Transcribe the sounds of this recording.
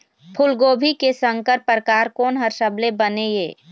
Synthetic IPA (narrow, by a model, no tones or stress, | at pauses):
pʰʊlɡoːbʱikesə̃ŋkəɾpɾkaːɾkɔːnɦəɾʃəblebənejeː